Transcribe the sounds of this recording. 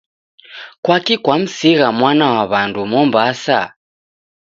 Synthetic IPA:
kwakikwam̩siɣamwanawaβandumɔmbasa̰

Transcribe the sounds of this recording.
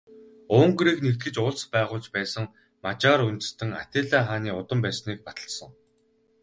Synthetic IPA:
ʊːŋɡɾiːknekt̪ɡɘ̆t͡ɕʊɮspæːʁʊːɮt͡ɕpæːsə̆ŋ | mat͡ɕaːɾunt̪ɘ̆st̪ʰɘ̆ŋat̪eːɮaːχaːniːʊt̪ə̆mpæːsniːk̚pat̪ə̆ɮsə̆ŋ

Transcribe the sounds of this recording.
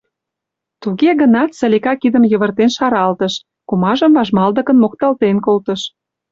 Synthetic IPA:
t̪uɣeɣə̆nɑt̪sə̆lʲikɑkid̪ə̆mjə̆βərt̪enʃɑɾɑlt̪ə̆ʃ | kumɑʒə̆mvɑʒmɑld̪ə̆kə̆nmokt̪ɑlt̪enkolt̪əʃ

